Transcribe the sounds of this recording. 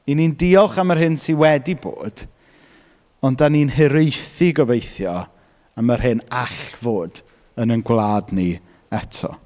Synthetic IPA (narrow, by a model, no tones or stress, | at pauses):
inindiɔχamərɦɪnsiwɛdibo̰ːd̥ | ɔndaninɦɨɾejθiɡɔbejθjɔ | amərɦɨnaɬvoːd̥ | ənənɡwlˠaːdni | ɛtʰɔ̰